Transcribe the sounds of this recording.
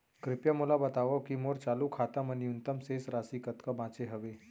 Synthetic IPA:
kɾɪpjamulabət̪aʋəkimoɾt͡salukʰat̪aməniunt̪əmsesɾasiːkət̪kəbãt͡seɦəʋe

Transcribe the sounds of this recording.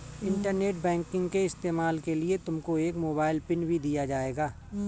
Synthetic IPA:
ɪ̃ɳʈəɾneːʈ̚bɛ̃ːŋkɪ̃ŋɡkeɪst̪eːmaːlkeliet̪ʊmkoeːkmoːbaːɪlpɪnbʱid̪ijad͡ʒaːeːɡaː

